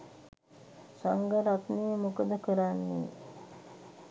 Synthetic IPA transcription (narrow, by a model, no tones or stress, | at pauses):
saŋɡəɾat̪niːəmukəd̪əkəɾanːḭː